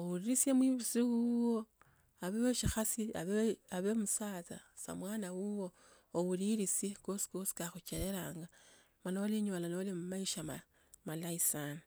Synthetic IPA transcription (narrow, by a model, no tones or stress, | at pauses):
owuɾiɾisjemwiβusiwuwo | aβeeʃixasia̰βeaβemusaːt͡sasa̰mwaːnawuwo̞ | owuɾiɾisikosi̥kosi̥kaxut͡ʃeɾe̞ɾaːŋɡa | manaoliɲolanoolimumaiʃama | malaisan